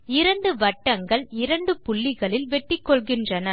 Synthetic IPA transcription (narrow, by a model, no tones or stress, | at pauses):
ɪɾɐɳɖɯʋɐʈːɐŋɡɐɭɪɾɐɳɖɯpʊɭːɪɣɐɭɪlʋɛʈːɪkːɔɭɣɪndrɐnɐ